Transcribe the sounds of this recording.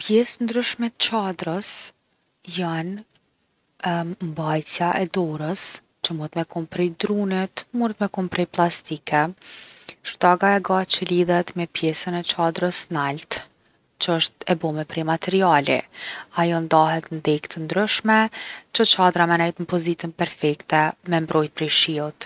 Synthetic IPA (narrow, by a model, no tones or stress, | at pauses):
pjɛsnd̪ɾyʃmɛt̪ə̥t͡ʃad̪ɾəs | jan | mbajsjaʔɛd̪ɔɾəs | t͡ʃəmuɾət̪mɛkumpɾid̪ɾunit̪muɾət̪mɛkumpɾɛplˠast̪ikʰɛ | ʃt̪aɡaɛɡat͡ʃəliðɛt̪mɛpjɛsənɛt͡ʃad̪ɾəsnalt̪ | t͡ʃəəʃt̪ɛbɔmɛpɾɛmat̪ɛɾialḭajɔnd̪aɦɛt̪nd̪ɛkt̪ʰənd̪ɾyʃmɛt͡ʃət͡ʃad̪ɾamɛnɛjt̪nməpɔzit̪ənpɛɾfɛkt̪ɛmɛmbɾʔɔjt̪̚pɾɛʃiut̪